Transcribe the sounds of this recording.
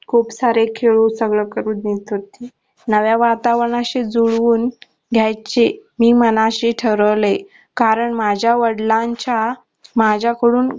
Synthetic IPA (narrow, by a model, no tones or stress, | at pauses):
kʰupsaɾekʰeɭusəɡɭəkəɾuːt̪net̪ɦot̪e | nəʋjaʋat̪aʋɳaɕed͡zuɭʋuːn | ɡʱjajt͡ɕemiːmənaɕeʈʰəɾəʋle | kaɾəɳmad͡ʑʱjaʋəɽlãɲt͡ɕa | mad͡ʑʱjakəɽuːn